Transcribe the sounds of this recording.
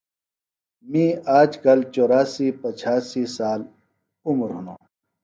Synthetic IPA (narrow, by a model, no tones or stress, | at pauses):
mĩaːd͡ʑkɐlt͡ɕoːɾaːsiːpɐt͡ɕʰaːsisaːl | umɾɦuno̰ː